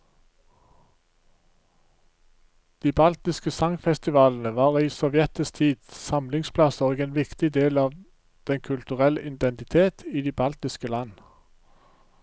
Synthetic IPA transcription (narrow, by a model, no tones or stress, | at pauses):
d̪̥iːbɑlt̪ɪskəsɑŋfɛst̪ɪʋɑːln̩əʋɑːʁiːsɔʋjɛt̪əst̪ʰiːd̪sɑmlɪŋspʰlɑsoːɡeːnʋɪkt̪ɪd̪eːlɑːʋ | d̪̥ɛŋkʰʉlt̪ʉʁɛləʔɪnd̪ɛnt̪ɪt̪ʰeːt̪ʰiːd̪iːbɑlt̪ɪskəlɑn